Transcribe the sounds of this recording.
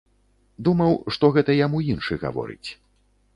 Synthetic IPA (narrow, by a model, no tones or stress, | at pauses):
d̪umɐwʂt̪ɔɣɛt̪ɐjamuinʂɨɣa̰vɔ̰ɾɨ̰t͡sʲ